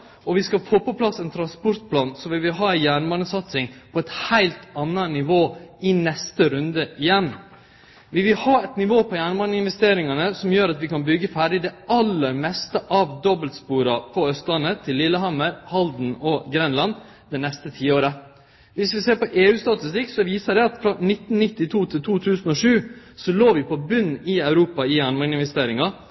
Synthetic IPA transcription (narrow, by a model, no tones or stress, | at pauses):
ɔʋɪskɑfoːpɔpʰlɑsːɛnt̪ʰɾɑnspʊɾt̪̚pʰlɑːnsɔʋɪlʋɪlɦɑːæɪjæːɳʋɑnəsɑt̪sɪŋpʰɔɛt̪hæɪlt̪ɑnːənɪʋoːɪnɛst̪əɾʉnd̪əʔɪjɛnː | ʋɪʋɪlhɑːɛt̪nɪʋoːpʰɔjæːɳʋɑnəɪnʋɛst̪eːɾɪŋɑnəsɔmjøːɾɑt̪ʋɪkɑnbʏɡəfæːɖɪd̪ɛɑlːəɾmɛst̪əʔɑʋd̪ɔbəlt̪spuːɾɑpʰɔœst̪lɑnːət̪ʰɪlːɪlːəɦɑməɾhɑld̪n̩ɔɡɾɛnlɑn | d̪ɛnɛst̪ət̪ʰiːoːɾə | ʋɪsʋɪseːɾpɔʔeːʉːst̪ɑt̪ɪst̪ɪksɔʋiːsəɖɛɑt̪fɾɔnɪt̪n̩nɪt̪ːɪt̪ʰuːt̪ʰɪlt̪ʰuːt̪ʰʉːsn̩ɔʂʉː | sɔloːʋɪpʰɔbʉnːɪæʉɾuːpɑɪjæɳmɑnɪnʋɛst̪eːɾɪŋɑ